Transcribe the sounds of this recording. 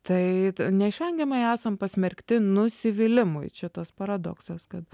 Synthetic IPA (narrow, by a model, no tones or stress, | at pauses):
t̪ɐɪnʲɛɪʃʲʋʲɛŋʲɡʲɛmɐɪæːsɐmpɐsʲmʲɛɾʲkt̪ʲɪnʊsʲɪʋʲɪlʲɪmʊ̰ɪt͡ʃʲɛt̪ɐspɐɾɐd̪o̰ːksɐskɐt̪